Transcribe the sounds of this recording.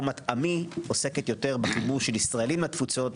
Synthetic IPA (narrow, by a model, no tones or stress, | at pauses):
matamiose̞ket̪jo̞te̞ʁbaχibuʁʃelisʁaelimat̪fut͡so̞t